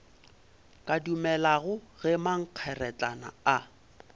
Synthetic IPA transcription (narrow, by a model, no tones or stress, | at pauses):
kʼadumɛlaɣʊɣɛmaŋ̩q͡χʰɛrɛt͡ɬʼana̰a